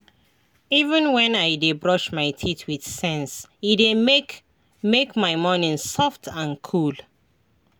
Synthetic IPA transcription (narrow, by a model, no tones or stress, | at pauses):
ivə̃nwɛ̃najdebɹɔʃmaɪtʰitʰwid̥sɛ̃nside | mekmaɪmɔnĩŋsɔftʰãnkʰul